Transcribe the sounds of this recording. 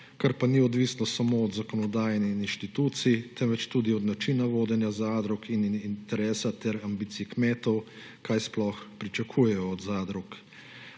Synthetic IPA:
kaɾpaniɔd̪ʋisnɔsamoɔd̪zakɔnɔd̪aːjnɛininʃt̪it̪uːt̪sit̪ɛmʋɛt͡ʃt̪uːd̪iɔd̪nat͡ʃiːnaʋoːd̪ɛnjazaːd̪ɾɔkʰinint̪ɛɾɛːsat̪ɛɾambiːt̪siikmeːt̪ɔw | kajsplɔxpɾit͡ʃakʰuːjɛjɔːd̪zaːd̪ɾɔk

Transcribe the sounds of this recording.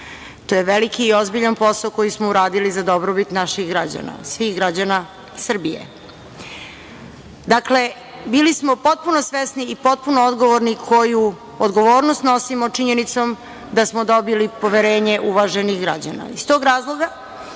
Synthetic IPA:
t̪oːjeʋelikiːozbiʎanpo̞saoko̞jismouɾaːd̪ilizad̪o̞bɾobit̪naʃiɣɡɾad͡ʑa̰na̰sʋixɡɾad͡ʑana | sr̩bijḛ | d̪akle̞ | bilismopo̞t̪̚puno̞sʋesniːpo̞t̪̚punood̪ɡo̞ʋoɾnikʰo̞ju | od̪ɡo̞ʋo̞ːɾnost̪no̞simot͡ʂiɲenit̪so̞m | d̪asmod̪o̞bilipo̞ʋeɾe̞ːɲeʔuʋaʒenixɡɾa̰d͡ʑa̰na̰ist̪o̞ːɡɾaːzlˠo̞ɡa

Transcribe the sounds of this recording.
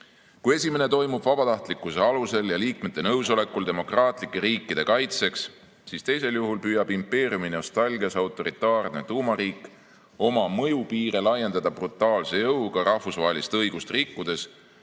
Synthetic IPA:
kuje̞sʲime̞ne̞t̪o̞jmub̥vɑbɑt̪ɑht̪likːˑuse̞ɑluse̞ljɑliːk̚me̞t̪ːe̞nɤwso̞le̞kːˑuld̪e̞mo̞krɑːt̪ˑlikˑːe̞ɾiːkˑːid̪̥e̞kɑjt̪se̞ks | siːst̪e̞jse̞ljuɦulpyːjɑbimpːe̞ːriumino̞st̪ɑlʲɡiɑsɑwt̪ːˑo̞ɾit̪ːˑɑːrne̞̰t̪uːmɑɾiːkːˑ | o̞mɑmɤjupiːɾelɑje̞nd̪ɑd̪ɑb̥rut̪ːˑɑːlse̞jɤwɡ̥ɑɾɑhfusvɑɦe̞list̪ɤjɡ̥ust̪rikːud̪̥e̞s

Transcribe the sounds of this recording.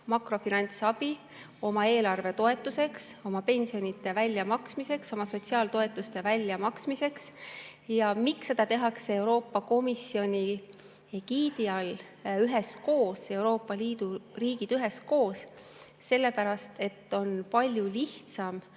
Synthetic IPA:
mɑkro̞finɑnʲt̪sɑb̥i | o̞mɑe̞ːlɑrve̞t̪o̞e̞t̪ːˑuse̞kso̞mɑpe̞nʲsio̞nʲit̪ːˑe̞vælʲjɑmɑksmise̞kso̞mɑso̞t̪siɑːlt̪o̞e̞t̪ːˑust̪e̞vælʲːjɑmɑksmise̞ksjɑmiksːe̞d̪̥ɑt̪e̞ɦɑksee̞uɾo̞ːpːɑko̞misio̞nʲi | eɡiːd̪̥iɑl | yɦe̞sko̞ːse̞wɾo̞ːpːˑɑliːd̪̥uriːɡ̥id̪̥yɦe̞sko̞ːs | se̞lːe̞pæɾɑst̪e̞t̪ːo̞npɑlʲjuliht̪sɑm

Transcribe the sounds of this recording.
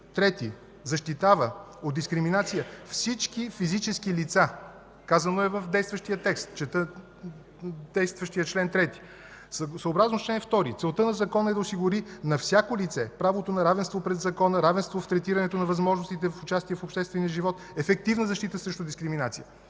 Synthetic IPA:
t̪ɾɛt̪i | zɐʃt̪it̪avəod̪d̪iskɾiminat̪sijəfsit͡ʃkifizit͡ʃɛskilit̪sa | kazɐnoɛvəfd̪ɛjst̪vəʃt̪ijət̪ɛkst̪t͡ʃɛt̪ə | d̪̥ɛjst̪vəʃt̪ijət͡ʃlɛnt̪ɾɛt̪i̥ | ssəːbɾaznot͡ʃlɛnft̪ɔɾit̪sɛlˠt̪ənɐzɐkɔnəɛd̪ɐosiɡʊɾinɐfsʲjakolit̪sɛpɾavot̪onɐɾavɛnst̪vopɾɛzɐkɔnəɾavɛnst̪voft̪ɾɛt̪iɾɐnɛt̪onɐvɐzmɔʒnost̪it̪ɛfʊt͡ʃast̪iɛfopʃt̪ɛst̪vɛnijəʒivɔt̪ | ɛfɛk̚t̪ivnəzɐʃt̪it̪əsɾɛʃt̪od̪iskɾiminat̪sijə

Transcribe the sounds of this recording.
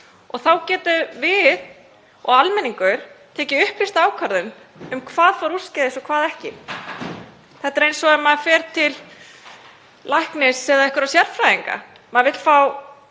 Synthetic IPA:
ɔ̰ɣθawcɛːt̪ʏvɪð | ɔɣalmɛniŋkʏɾ̥t̪ʰɛːcɪʏhplɪst̪aːwkʰaɾðʏn | ʏmkʰvaːðfɔɾuscɛðɪsɔkʰvaːðɛhcɪ | θɛht̪aɾejnsɔɛmːaðfɛːɾt̪ʰɪl | lʔajhknɪsːɛːðaɛhkʏɾawsjɛr̥fɾajðiŋka̰ | maðvɪt̪l̥faw

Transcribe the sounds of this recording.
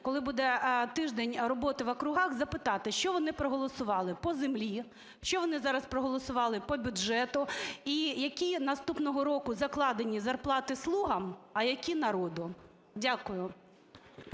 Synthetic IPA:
kɔlˠɪbud̪ɛt̪ɪʒd̪enʲrɔbɔt̪ɪʋɐkɾʊɦɑxzɐpɪt̪ɑt̪ɪʃt͡ʃɔʋɔnɪpɾɔɦɔlˠɔsʊʋɑlˠɪpɔzemlʲi | ʃt͡ʃɔʋɔnɪzɑɾɐspɾɔɦɔlˠɔsʊʋɑlˠɪpɔbʲʊdʒɛt̪ʊijɐkʲinɐst̪upnɔɦɔɾɔkʊzɐklˠɑd̪enʲizɐrplˠɑt̪ɪslˠuɦɐmɐjɐkʲinɐɾɔd̪ʊ | dʲakʊjʊ

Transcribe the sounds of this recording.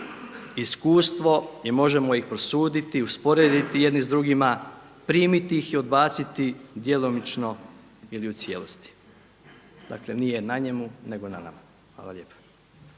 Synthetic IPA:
iskuːst̪ʋo̞jemo̞ʒe̞mo̞ixpɾosuːd̪it̪iuspo̞ɾeːd̪it̪ijed̪nizd̪ɾuɡima | pɾiːmit̪iixio̞d̪baːt̪sit̪id̪je̞lo̞mit͡ʃno̞ | iliut̪sje̞ːlost̪i̥ | d̪a̰kle̞nije̞naɲe̞mune̞ɡo̞na̰na̰ma | xʋa̰ːlˠaʎe̞ːpḁ

